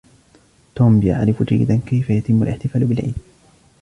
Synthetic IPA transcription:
t̪oːmbɪja̰ʕɾɪfd͡ʒa̰jːɪ̰d̪ankajfajat̪ɪmːʊalʔɪħt̪ɪfaːlbɪlʕḭːd̪̚

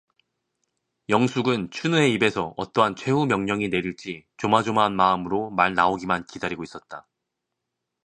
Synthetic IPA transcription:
jʌŋsʰuɡɯnt͡ɕʰunue̞ibe̞sʰʌʌ̰t͈ʌɦant͡ɕʰwe̞ɦumjʌŋɲʌŋine̞ɾiɭt͡ɕ͈it͡ɕomad͡ʑomaɦːnmaɯmɯɾomaɭnaoɡimankidaɾiɡois͈ʌt̚t͈a

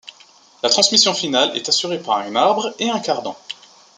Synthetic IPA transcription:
lat̪χɑ̃smisjɔ̃finalɛ̰t̪asyʁepaʁɛ̃naʁbʁeɛ̃kaʁd̪ɑ̃

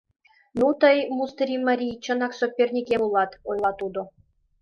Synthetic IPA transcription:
nut̪ɤjmust̪ɾʲimɑɾʲijt͡ɕɤ̆nɑksopʲːerʲnʲikʲeulˠɑt̪ojlˠɑt̪ud̪ŏ

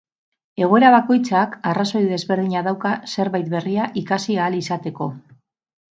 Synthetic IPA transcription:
e̞ɣ̞oe̞ɾaβako̞jt͡sakaraso̞jðe̞zβe̞ɾð̞iɲaðawkase̞ɾβajt̪̚be̞riaʔikasiaːlisat̪e̞ko̞

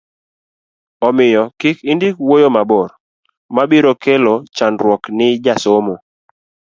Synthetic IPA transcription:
ɔmɪjɔkikindikwojomabɔɾ | mabiɾokelot͡ʃanɾwɔknɪd͡ʒasomo

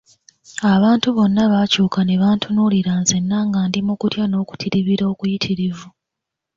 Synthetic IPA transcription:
aβaːntuβo̞nːaβacuːkaneβaːntʰunuliɾaːnzenːaːŋɡaːndimukutjano̞ːku̥tʰiɾiβiɾo̞ːkujitʰiɾivu

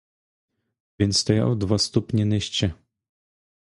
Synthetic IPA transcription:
vʲjɛnt̪st̪ɔja̰wd̪vast̪ɔpɲɛnɘɕt͡ɕɛ

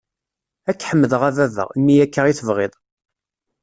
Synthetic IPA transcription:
ækːħəmːəðəʁævævə̰ʁmːijækːəʁiθəvʁɪðˤ

